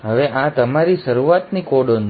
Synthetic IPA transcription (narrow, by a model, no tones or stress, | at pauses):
ɦəʋeʔat̪əmaɾiʃəɾuʋat̪nikoɽon